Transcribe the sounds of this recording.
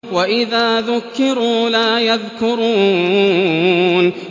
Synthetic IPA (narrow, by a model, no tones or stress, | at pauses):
waʔɪðaːðʊkːɪɾuːlaːjaðkʊɾˤuː | n